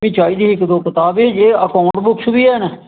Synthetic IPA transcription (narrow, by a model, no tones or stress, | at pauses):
ĩːt͡ʃaːiːd̪iːɪkd̪oːkət̪aːbed͡ʒeːəkaːʊɳʈbʊksbiːɛːn